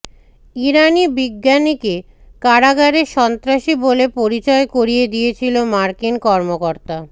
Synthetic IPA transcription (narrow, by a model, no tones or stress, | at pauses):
iɾanibiɡːanike | kaɾaɡaɾeʃɔnt̪ɾaʃibolepoɾit͡ɕɔekoɾijed̪ijet͡ɕʰilomaɾkinkɔɾmokoɾt̪a